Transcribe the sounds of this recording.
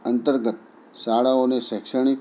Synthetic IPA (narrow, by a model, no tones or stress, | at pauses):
ənt̪əɾɡət̪̚ | saɽaoneɕɛkʂəɳ̃ik